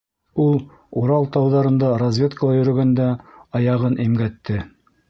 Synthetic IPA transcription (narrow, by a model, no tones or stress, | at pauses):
ulˠ | uɾɑlˠt̪ɑwðɑɾɤ̆nd̪ɑɾɐzʲvʲe̞t̪kəlˠɑjɵ̆ɾɵ̆ɡænd̪æɑjɑʁɤnʔimɡæt̪ːɘ